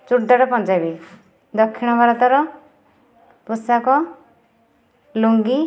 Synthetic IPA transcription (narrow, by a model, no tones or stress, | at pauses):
t͡ʃuʈ̚d̪aɽapɔ̃nd͡ʒabi | d̪ɔkʰːiɽ̃ɔbaɾɔt̪ɔɾɔ | pusakɔ | luŋɡi